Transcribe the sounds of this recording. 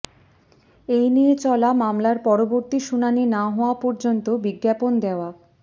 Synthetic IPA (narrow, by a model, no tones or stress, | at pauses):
ejniet͡ɕɔlamamlaɾpɔɾoboɾt̪iʃunaninaɦɔoapɔɾd͡ʑont̪obiɡːjapond̪eoa